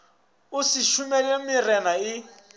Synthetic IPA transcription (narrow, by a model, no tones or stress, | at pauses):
ʊsɪʃumɛlemɪrɛnaɪ